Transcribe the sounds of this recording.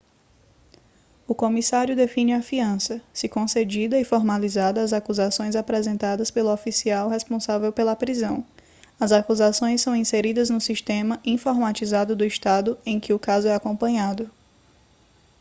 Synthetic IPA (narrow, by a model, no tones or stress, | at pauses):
ʊkõmisaɾjʊd̪efĩnɪafiɐ̃sɐsɪkõsed͡ʒid̪ɐɪfɔɾmalizad̪ɐːzakuzasõj̃zapɾɛzẽnt̪ad̪ɐspelʊofisiawɦɛspõsavewpelɐpɾizɐ̃w̃ | ɐzakuzasõj̃ssɐ̃w̃ĩseɾid̪ɐznʊsiʃt̪ẽmɐʔĩfoɾmat͡ʃizad̪ʊd̪ʊiʃt̪ad̪ʊẽj̃kɪʊkazʊɛakõmpɐ̃ɲad̪ʊ